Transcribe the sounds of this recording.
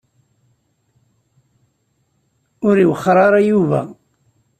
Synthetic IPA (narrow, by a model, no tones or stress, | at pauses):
ʊɾiwəχːɾˤɑɾˤɑjuvæ̰